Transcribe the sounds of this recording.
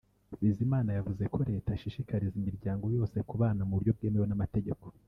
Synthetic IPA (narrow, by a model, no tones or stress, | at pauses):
βizimaːnajavuze̞kʰo̞ɾe̞ːtaʃiʃikaɾizimiɾɟaːŋɡo̞jo̞ːse̞kuβaːnamuuɾɟo̞b̚ɡeːmewonamate̞ɟe̞ko̞̥